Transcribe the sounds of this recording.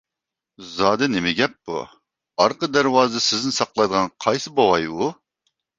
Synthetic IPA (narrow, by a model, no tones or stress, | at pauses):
zɑːd̪ɛnɪmɪɡʲɛpːṵ | ɑɾqəd̪æɾwɑːzɨsɪznɪsɑqlˠɑjd̪əʁɑnqʰɑjsɨbowɑju